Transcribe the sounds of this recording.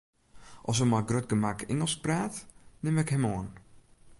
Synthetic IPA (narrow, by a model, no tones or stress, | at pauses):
ʔɔs̬əmaɡrøt̚ɡəmakɪŋəlˠspraːtnɪmɛkhɛmoən